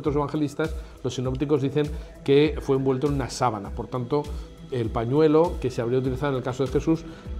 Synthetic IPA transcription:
t̪ɾo̞seaŋxe̞list̪aslo̞sːino̞pt̪iko̞zðiθe̞ŋ | ke̞fwe̞ːmbwe̞lt̪onunasaβana̰po̞ɾt̪ant̪o̞ | elpaɲwe̞lo̞ke̞seaβ̞ɾiaut̪̬iliθaðenelkaso̞ð̞e̞xe̞sus

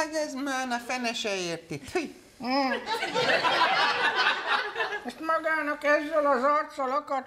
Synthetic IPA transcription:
ɡɛzmaːnɑfɛnɛʃɛjeːrt̪it̪u | ɛst̪mɔɡaːnɒkɛzːɛlɒzɒrt̪sɔlɔkɔt̪

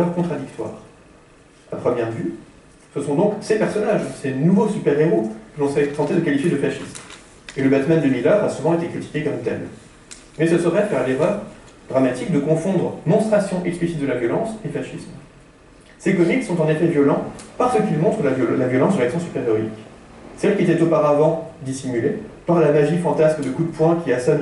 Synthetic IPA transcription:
œʁkɔ̃t̪χad̪ikt̪wa̰ʁ | apχəmjɛʁvy | səsɔ̃d̪ɔ̃ksepɛʁsɔnaʒsenuvosypɛʁeʁokəlɔ̃sɛt̪ɑ̃t̪ed̪əkalifjed̪əfaʃism | eləbat̪mand̪əmilaʁasuvɑ̃et̪ekχit̪i̥kʲekɔmt̪ɛ̰m | mɛsəsəʁɛpaʁleʁəʁ | d̪̥ʁamat̪ik̚d̪əkɔ̃fɔ̃d̪ʁmɔ̃st̪χasjɔ̃ʔɛksplisit̪̚d̪əlavjɔlɑ̃sefaʃism | sekɔmik̪sɔ̃t̪ɑ̃nefɛvjɔlɑ̃paʁsəkʲilmɔ̃t̪χəlavjɔlɑ̃sd̪ʁaksɔ̃sypeʁjɔʁḭk | sɛlkʲiet̪ɛt̪opaʁavɑ̃d̪isimylepaʁlamaʒifɑ̃t̪asmd̪əkud̪̚pwɛ̃kʲiasɔn

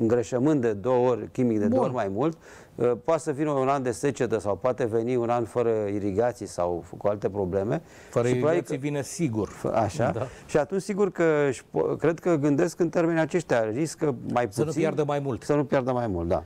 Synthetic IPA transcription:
ɨŋɡɾəʃəmɨnt̪̚d̪e̞d̪o̞wəo̞rʲkʲimikd̪e̞d̪ooorʲmajmult̪ | əpoat̪səvinəunand̪e̞se̞t͡ʃe̞t̪əsawpoat̪e̞ve̞niunanfəɾəiɾiɡat̪sijsawkualt̪e̞pɾo̞ble̞me̞ | fəʃipɾoaiivinəsiɡurə̰aʃaaʃiat̪unt͡ʃʲsiɡurkəʃpkɾe̞d̪kəɡɨnd̪e̞skɨnt̪e̞rme̞neat͡ʃe̞ʃt̪ʲariskəmajpusijad̪əmajmult̪sənupjard̪əmajmult̪̚d̪a̰

